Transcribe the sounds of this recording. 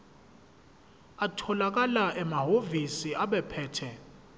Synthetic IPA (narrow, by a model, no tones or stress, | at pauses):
atʰɔlak̬alaʔɛmaɦovisiaɓɛpʰɛːtʰɛ